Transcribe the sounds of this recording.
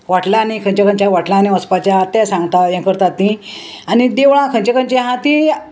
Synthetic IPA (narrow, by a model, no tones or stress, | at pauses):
ʋaʈlanikʰə̃nt͡ɕakə̃nt͡ɕaʋaʈlãnĩəspat͡ɕaɦat̪asãŋɡt̪ajɛ̃kəɾt̪at̪ːĩ | anid̪eʋɭãkʰəɲt͡ɕakʰə̃nt͡ɕeɦãt̪ĩ